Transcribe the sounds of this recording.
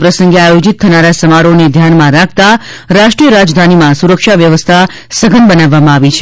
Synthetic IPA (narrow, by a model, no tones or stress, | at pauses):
pɾəsəŋɡeajod͡ʒit̪̚t̪ʰːənaɾasəmaɾoned̪ʱjanmãɾak̚ʰt̪a | ɾaʃʈɾijəɾad͡ʒd̪ʱanimãsuɾəkʃaʋjəʋəst̪ʰa | səɡʱənbənaʋːamãaʋit͡ʃʰ